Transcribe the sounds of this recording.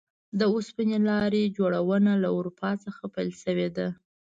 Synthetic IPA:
d̪əuspinelɑɾed͡ʒoɽawənalaʊɾupʰɑt͡səxapajlʃəwed̪a

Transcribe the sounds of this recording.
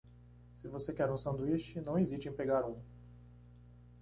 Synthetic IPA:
sɪvosekɛɾũsɐ̃nd̪uiʃt͡ʃɪnɐ̃w̃eziʃt͡ʃẽj̃peɡaɾũ

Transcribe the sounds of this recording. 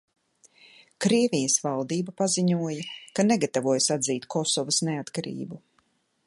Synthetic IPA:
kɾiɛvijɐsvalˠd̪iːbapaziɲuɔjɐkaneɡat̪avuɔjsad̪ziːt̪kʰɔsɔvasneat̪kaɾḭːbu

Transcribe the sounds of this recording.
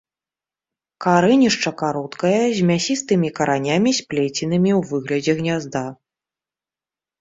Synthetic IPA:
kaɾɛnʲiʂt͡ʂɐkaɾɔt̪kɐjɐzʲmʲasʲist̪ɨmʲikɐɾʔanʲamʲisʲpʲlʲet͡sʲinɨmʲiwvɨɣlʲɐd͡zʲɛɣnʲazd̪a

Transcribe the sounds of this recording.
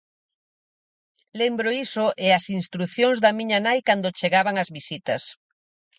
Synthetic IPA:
lembɾoisoʔɪɐsinst̪ɾuθjoŋzðɐmĩɲanajkand̪ot͡ʃeɣaβaŋɐzβisit̪ɐs

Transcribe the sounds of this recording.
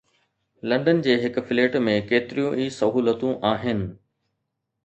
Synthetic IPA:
lɐ̃ɳɖənd͡ʑeːɦɪkʊ̆fɪleːʈmẽkeːt̪ɪɾijũʔiːsɐɦuːlət̪ũʔaːɦɪnɪ̆

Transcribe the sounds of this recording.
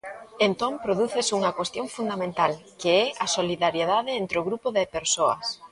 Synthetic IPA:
ent̪ompɾoðuθɪsuŋɐkwest̪jõŋfund̪amẽnt̪alkeɛasoliðaɾjeðaðɪent̪ɾeoɣɾupʊðɪpeɾsoɐ̰s

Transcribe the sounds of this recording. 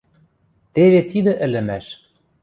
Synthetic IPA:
t̪eβet̪id̪ɘ̆ʔɘ̆lɘ̆mæʃ

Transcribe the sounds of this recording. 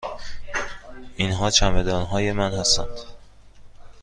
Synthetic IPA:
ʔinɦɒːt͡ʃʰæmed̪ɒːnɦɒːje̞mænhæst̪æ̰nd̪̥

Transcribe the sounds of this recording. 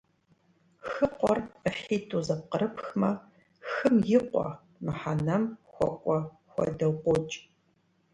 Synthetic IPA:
xɨqʷɔrəħiːtʰʼuːzɐp̚qəɾɨpxmɐ | xɨmjɪqʷɔ̰ | mɨħanɐmxʷɔ̰kʷʼɔ | xʷɔ̰dɐwqʷot͡ʃʼ

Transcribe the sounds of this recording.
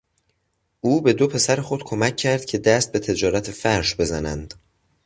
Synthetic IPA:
ʔuːbe̞d̪o̞pʰe̞sæɾexo̞d̪̥kʰo̞mæcʰːæɾd̪̥cʰe̞d̪æst̪̚be̞t̪ʰe̞d͡ʒɒːɾæt̪ʰefæɾʃbe̞zænænd̪̥

